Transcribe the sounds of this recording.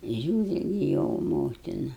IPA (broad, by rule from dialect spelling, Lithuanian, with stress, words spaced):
ˈʒʲuːrʲɪ ɡʲɪ ˈjoː ˈmoːtʲɪnɐ